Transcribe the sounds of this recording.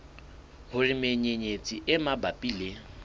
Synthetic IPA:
hʊrɪmeɲeɲet͡sʼiʔɪmabapʼiːle

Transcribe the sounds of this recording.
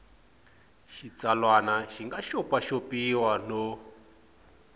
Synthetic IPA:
ʃit͡salwanaʃiŋɡaʃɔpaʃopiwano

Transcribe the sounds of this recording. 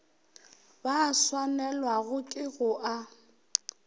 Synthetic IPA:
baːswanɛlwaɣʊkʼɪɣʊʔa

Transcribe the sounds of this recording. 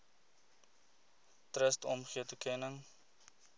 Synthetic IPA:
trəstɔmχiətukʰɛnəŋ

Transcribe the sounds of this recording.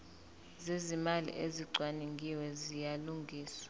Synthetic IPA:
zezimalḭʔeziǀʱwaniŋɡʱiwɛzijaluŋɡʱiːsḁ

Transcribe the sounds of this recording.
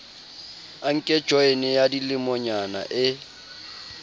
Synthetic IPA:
aŋ̩kʼɛ̥ʒ̥ʱɔenɪjadilɪmɔɲana̰ʔɪ

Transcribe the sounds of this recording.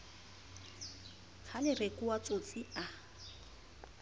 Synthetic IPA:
t͡sʰalɪrekuwat͡sʼot͡sʼia

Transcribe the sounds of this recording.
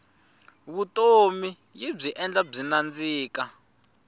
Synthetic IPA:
βutʼomi | jib͡ʐiʔɛnd͡ɮab͡ʐinand͡ziːka

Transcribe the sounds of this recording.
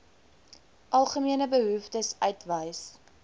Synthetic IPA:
ʔɐlˠχəmiənəbəɦuftəsœɥtvəjs

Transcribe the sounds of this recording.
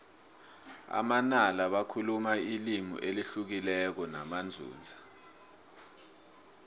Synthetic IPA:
a̰manalaɓakʰulumailimṵʔeliɬuk̬ilɛk̬ɔnamand͡zʱṵːnd͡zʱḁ

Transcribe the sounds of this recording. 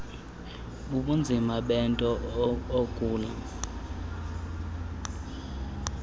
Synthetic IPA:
uɓund͡zʱimaɓɛntʼɔookʼuːla

